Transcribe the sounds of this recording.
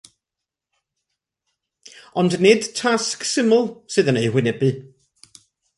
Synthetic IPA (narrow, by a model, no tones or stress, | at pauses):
ɔndnɨd̥tʰasksɪmʊlˠsɨðənejhwɪnɛbɨ